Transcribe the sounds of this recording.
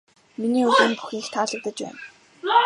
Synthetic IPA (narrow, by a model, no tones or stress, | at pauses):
miniːɵɣĭːmpu̥xʲiːxt̪ʰaːɮə̆k̚t̪ə̆t͡ɕpæ̰ːn